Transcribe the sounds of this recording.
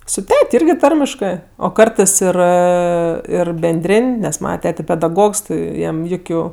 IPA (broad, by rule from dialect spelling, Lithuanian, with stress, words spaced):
sʊ ˈtʲɛtʲ ˈɪrʲɡʲɪ ˈtɐrʲmʲɪʃkɜ oː ˈkɐrtɜs ˈɪr ˈɪr bʲɛnʲˈdʲrʲeːnʲ nʲɛs ˈmɑːnɐ ˈtʲæːtʲɛ pʲɛdɐˈɡoːks ˈjɛm ˈjʊkʲʊ